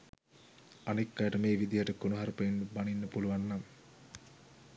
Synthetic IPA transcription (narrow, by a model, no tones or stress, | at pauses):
anikːajəʈəmeːʋid̪ijəʈəkonuɦaɾupeinːubaninːəpuluʋanːam